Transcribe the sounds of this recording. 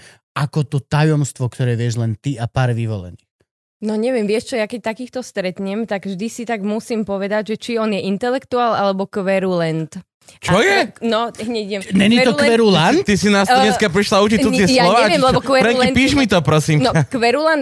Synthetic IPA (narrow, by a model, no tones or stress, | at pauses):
ʔakɔt̪ɔt̪ajɔmst̪ʋɔkt̪ɔɾɛːʋɪɛʒlɛnt̪iapaːɾʋiʋɔ̰lɛ̰niːx | nɔɲɛʋɪɛmʋɪɛʃt͡ʃɔjakɛc̚t̪akiːxt̪ɔst̪ɾɛt̪ɲɛmt̪aɡvʒd̪isit̪aɡmusiːmpɔʋɛd̪aɟʒɛt͡ʃiɔnjɛʔint̪ɛlɛkt̪uaːlalɛbɔkʋɛɾulɛnt̪ | t͡ʃɔjɛnɔɦɲɛɛmnɛɲit̪ɔkɛɾulant̪isinaːsɲɛskapɾiʃlaut͡ʃiɔt̪ɪɛjsalɔʋaːɛmlɛbɔkʋɛɾɛinpiːʃʒmit̪ɔpɾɔsiːmnɔkʋɛɾulan